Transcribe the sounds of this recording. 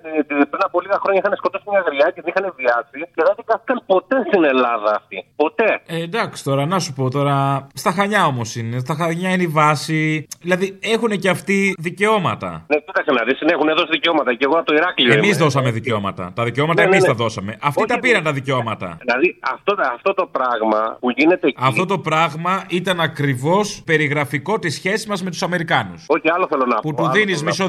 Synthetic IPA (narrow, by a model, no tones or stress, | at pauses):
t̪it̪ipɾinɐpo̞liɣɐxɾo̞ɲɐixɐnesko̞t̪o̞simɲɐɣɾiɐceðenixɐneviɐsiceðenðikɐθi̥kɐnpo̞t̪e̞st̪ine̞lɐðɐːft̪ipo̞t̪e̞ed̪ɐksi̥t̪o̞ɾɐnɐsupo̞t̪o̞ɾɐst̪ɐxɐɲɐo̞mo̞sinest̪ɐxɐɲɐineivɐsiðilɐðie̞xune̞ceɐft̪iðice̞o̞mɐt̪ɐ̰necit̪ɐksenɐðisinexuneðo̞siðiceo̞mɐt̪ɐceɣoɐt̪oiɾɐkliemizðo̞sɐme̞ðiceo̞mɐt̪ɐ̰t̪ɐðiceomɐt̪ɐemisɐðo̞sɐme̞ʔɐft̪it̪ɐpiɾɐnt̪ɐðiceo̞mɐt̪ɐ̰ilɐðiɐft̪oɐft̪o̞t̪o̞pɾaɣmɐpuʝine̞t̪eɐft̪o̞t̪o̞pɾɐɣmɐit̪ɐnɐkɾivo̞spe̞ɾiɣɾɐfiko̞t̪isçe̞sizmɐzmet̪u̥sɐme̞ɾikɐnusoçiɐaloθelonɐput̪uðinizmiso